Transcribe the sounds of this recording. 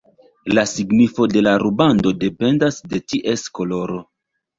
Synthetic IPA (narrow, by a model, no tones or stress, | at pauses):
lasiɡnifo̞de̞laɾubando̞de̞pe̞ndasde̞tiʔe̞sko̞lo̞ɾo̞